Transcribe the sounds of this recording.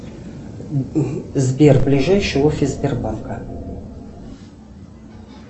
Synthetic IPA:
zbʲerblʲɪʐajɕɪofʲɪzʲbʲerbankə

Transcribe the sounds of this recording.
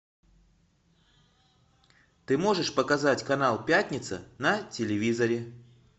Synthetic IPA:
t̪ɨmo̞ʐɨʂpəkɐzatʲkɐnalˠpʲætʲnʲɪt̪sɨ̰nɐtʲɪlʲɪvʲizəɾʲɪ

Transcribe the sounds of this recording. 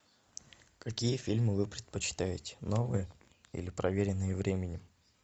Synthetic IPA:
kɐkʲijəfʲilʲmɨvɨpɾʲɪt̪̚pət͡ɕɪ̥t̪avʲɪtʲɪ̥novɨjə | ḭlʲɪpɾɐvʲeɾʲɪnːɨjəvɾʲʔemʲɪnʲɪ

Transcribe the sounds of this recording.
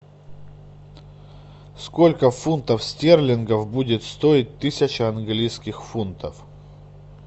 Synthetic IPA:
sko̞lʲkəfunt̪əfsʲtʲerlʲɪnɡəvbudʲɪt̪st̪oɪt̚ʲt̪ɨsʲɪt͡ɕɪɐnɡlʲijskʲɪxfunt̪əf

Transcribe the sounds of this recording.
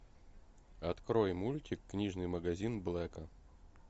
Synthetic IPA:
ɐt̪kɾojmulʲtʲɪkːnʲiʐnɨjməɡɐzʲinblˠɛkə

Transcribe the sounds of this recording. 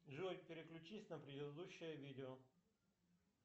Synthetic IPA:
ʐuɾʲpʲɪɾʲɪklʲʉt͡ɕisʲnəpɾʲɪd̪ɪd̪ɪd̪uɕːɪjəvʲidʲɪo

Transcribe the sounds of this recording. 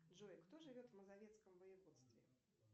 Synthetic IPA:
dʐɔjkt̪ɔʐɨvʲɔt̪vmɐzavʲɛt̪skɐmvɐjɛvɔt̪st̪vʲɛ

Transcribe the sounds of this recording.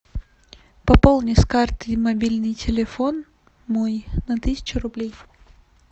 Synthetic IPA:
pɐpolˠnʲɪskart̪ɨmɐbʲilʲnɨjtʲɪlʲɪfon | mojnɐt̪ɨsʲɪ̥t͡ɕʊɾʊblʲej

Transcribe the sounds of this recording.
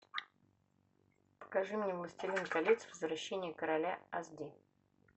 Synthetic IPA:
pə̥kɐʐɨmnʲemlˠəsʲtʲɪlʲinkɐlʲit̪svəzvɾɐɕːenʲɪjəkəɾɐlʲaɐzd̪ʲi

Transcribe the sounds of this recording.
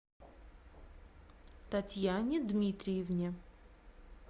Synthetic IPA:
t̪atʲjanʲɪd̪mʲit̪ɾʲɪjɪvnʲe

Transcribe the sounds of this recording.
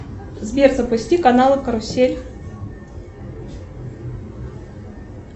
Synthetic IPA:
zbʲerzəpʊsʲtʲikɐnalˠɨkəɾʊsʲelʲ

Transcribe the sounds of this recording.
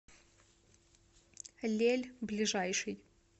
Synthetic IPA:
lʲelʲblʲiʐajʂɨj

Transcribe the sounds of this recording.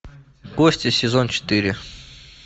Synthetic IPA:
kosʲtʲɪsʲɪzont͡ɕɪ̥t̪ɨɾʲɪ

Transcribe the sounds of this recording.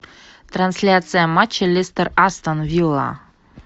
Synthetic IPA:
t̪ɾansʲlʲat̪sɨjamat͡ɕːelʲest̪ərast̪ənvʲilˠːa̰

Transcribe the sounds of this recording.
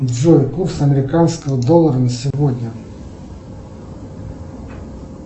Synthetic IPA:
dzʲojkursɐmʲeɾʲɪkansʲkəɦəd̪ɔlˠːɐɾɐnɐsʲɪvod̪ʲnʲɐ

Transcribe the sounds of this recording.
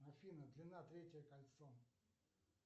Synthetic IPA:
ɐfʲinəd̪lʲɪnat̪ɾʲetʲɪjəkɐlʲt̪so

